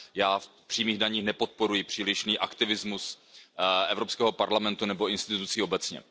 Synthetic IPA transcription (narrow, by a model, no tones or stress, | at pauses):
jaːfpr̝̥iːmiːɣdaɲiːxnɛpo̞t̪̚po̞ɾujɪpr̥iːlɪʃniːʔakt̪ɪvɪzmus | ɛvɾo̞pskɛːɦo̞paɾlamɛnt̪unɛbo̞ɪnst̪ɪt̪ut͡siːo̞bɛt͡sɲɛ̰